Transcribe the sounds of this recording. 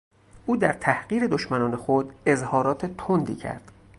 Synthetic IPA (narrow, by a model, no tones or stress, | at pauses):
ʔuːd̪æɾt̪ʰæhɢiːɾe̞d̪oʃmænɒːne̞xod̪e̞zhɒːɾɒːt̪ʰet̪ʰond̪ḭːcʰæ̰ɾd̪̥